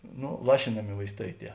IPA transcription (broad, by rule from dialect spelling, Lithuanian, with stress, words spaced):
ˈnoː ˈlˠɑːʃʲɪnɐmʲɪ ʋɐɪsˈtɐɪ ˈtʲiɛ